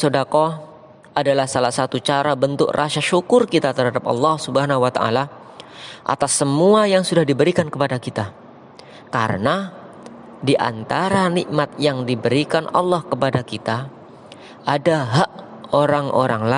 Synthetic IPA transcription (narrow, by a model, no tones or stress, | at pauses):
sodako | ʔadalahsalahsat̪ut͡ʃaɾabənt̪ʊ̰krʔaʃaʃukʊrkit̪at̪ərɦadap̚ɑ̰lːɑhsubəɦanaɦuwat̪aa̰la | ʔa̰t̪asːəmuajaŋsudahdibəɾikankəpadakit̪a | kaɾə̰na | diʔa̰nt̪aɾaniʔmat̪̚jaŋdibəɾikanɑlːɑhkəpadakit̪a | ʔadaɦaʔ | oɾaŋʔo̰ɾaŋla